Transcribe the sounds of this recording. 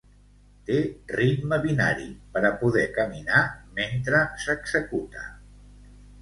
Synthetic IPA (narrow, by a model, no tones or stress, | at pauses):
t̪erit̪məβina̰ɾḭpəɾəpuðɛkəminament̪ɾəsəɡz̥əkut̪ə